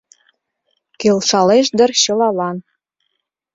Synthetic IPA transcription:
kelʃɑleʃd̪ə̆rɕɤ̆lɑlɑn

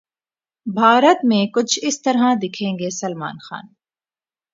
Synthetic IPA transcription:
bʱaːɾət̪mẽːkʊt͡ʃʰɪst̪ɐɾɦãd̪ɪkʰẽːŋɡeːsɐlma̰ːnxa̰ːn

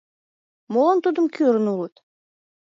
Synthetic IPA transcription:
molɑnt̪ud̪əmkøɾənulət̪

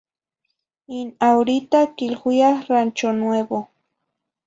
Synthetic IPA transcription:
inawɾit̪akɪlxʊjaχɾant͡ʃonwebo

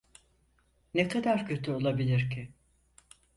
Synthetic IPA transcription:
nekʰad̪aɾcʰø̞t̪ʰyo̞lˠabilʲiɾcʰɪ

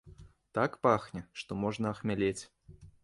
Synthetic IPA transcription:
t̪akpaxnʲɛʂt̪ɔmɔʐnɐɐxmʲalʲet͡sʲ

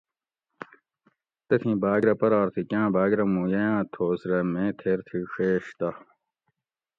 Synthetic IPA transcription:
t̪ɐt̪ʰĩːbaːɡɾɐpɐɾaːɾt̪ʰikʲjãːbaːɡɾɐmũːjɐjãːt̪ʰoːsɾɐmẽːt̪ʰeːɾt̪ʰiʂeːɕt̪ɐ

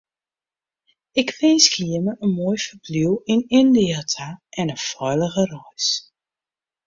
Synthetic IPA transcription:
ɪkʋɪnskiəməʔənmoːjfəbliwɪnɪndiatʰaʔɛnəfɔjləɣərɔjs

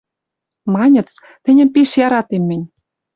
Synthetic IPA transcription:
mɑnʲə̆t͡s | t̪ɘ̆nʲə̆mpeʃjɑɾɑt̪emːɘ̆nʲ

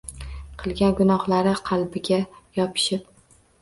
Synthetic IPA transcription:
qʰɨlˠɡʲanɡʊnɒhlaɾɪqʰɑlˠbɪɡʲajɒpʰɪ̥ʃɪp̚

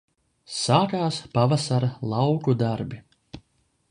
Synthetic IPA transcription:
saːkaːspavasaɾalˠɑwkud̪aɾbi

